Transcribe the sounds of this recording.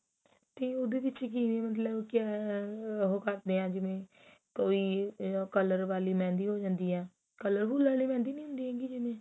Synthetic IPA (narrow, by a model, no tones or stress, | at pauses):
t̪eːʊd̪eːbɪt͡ʃk̬iːneːmət̪̬ləbkɛː | ɦoːkəɾd̪eːãːd͡ʒɪmẽː | koːiːkələɾʋaːliːmɛ̃ːnd̪iːɦoːd͡ʒãːnd̪iːɦɛː | kələɾbuːlʋaːliːmɛ̃ːnd̪iːnĩːɦʊ̃nd̪iːɦɛ̃ːɡiːd͡ʒɪmẽː